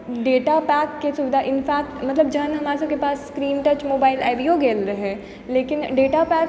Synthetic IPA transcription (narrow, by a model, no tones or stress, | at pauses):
ɖeːʈapɛːkːesʊbɪd̪ʱaʔɪnfʰɛːk̚t̪mɐt̪ləb̚d͡ʒɐɦənɦɐmaːɾesɐkepaːsːkɾiːnʈət͡ʃmoːbaːɪlɛːʋioɡeːlɾəɦɛ̃ː | leːkɪnɖeːʈapɛːk